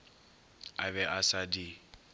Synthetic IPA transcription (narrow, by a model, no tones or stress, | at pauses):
a̰βɛʔasadi